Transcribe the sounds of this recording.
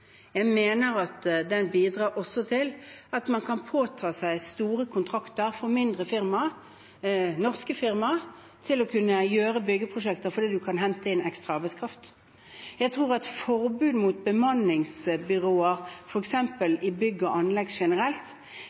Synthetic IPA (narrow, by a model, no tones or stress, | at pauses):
jæɪmeːnəɾɑt̪d̪ɛnbiːd̪ɾʁɑːɾʔɔsɔt̪ʰɪlɑt̪mɑnkʰɑnpʰoːt̪ʰɑːsæɪst̪uːɾəkʰʊnt̪ʰʁɑkt̪əʁfɔɾmɪnd̪ʁəfɪʁmɑ | nɔʁskəfɪʁmɑʁ | t̪ʰɪlɔkʰʉnːəjøːɾəbʏɡːəpʰɾʊʂɛkt̪əɾfɔd̪iːd̪ʉkʰɑnɦɛnt̪əɪnɛkst̪ʁɑɑːʁbæɪskʰɾɑft̪ | jæɪt̪ʰʁuːʁɑt̪fɔʁbʉːd̪mut̪̚bəmɑnɪŋsbʏʁoːəʁfɔɾɛksɛmpəlɪbʏɡːəɔʔɑnlɛɡʂɛnəɾɛlt̪